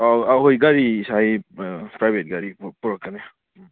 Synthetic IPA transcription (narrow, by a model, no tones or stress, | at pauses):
ɔaɦojɡaɾiːsajpɾajbʱet̚ɡaɾipɔɾɔkːane